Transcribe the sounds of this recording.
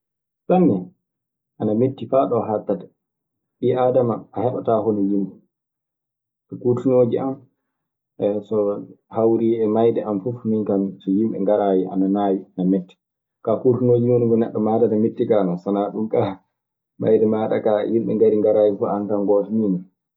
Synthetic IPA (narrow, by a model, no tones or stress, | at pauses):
sanːɛ | ʔanametːifaɗɔɦatːatḁ | ɓiʔadamaːhɛɓataɦɔnɛjimɓɛ | ɛkuɾtunoːd͡ʒiʔam | sɔhawɾiɛmajdɛʔamfufmiŋkamsɔjimɓɛ̰ŋɡaɾaːjiʔa̰nanaːjinamɛtːɛ̥ | kakuɾtunoːd͡ʒinunuɡɔnɛ̰ɗːɔmaːtatametːikanɔsanaɗumka | ma̰jdɛmaːɗa̰kajimɓɛ̰ŋɡaɾiŋɡaɾaːjifɔʔankamɡɔtɔnina